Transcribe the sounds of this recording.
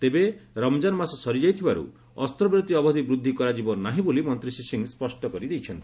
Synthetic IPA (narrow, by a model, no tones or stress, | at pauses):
t̪ebeɾɔmd͡ʒanɔmasɔsɔɾid͡ʒajt̪ʰibaɾṵ | ɔst̪ɾɔbɾɔt̪iɔbɔɦd̪ibɾud̪ʱːikɔɾad͡ʒibɔnːaɦĩbolimɔnt̪ɾisisiŋspɔsʈɔkɔɾid̪ejt͡ʃʰɔnt̪ii̥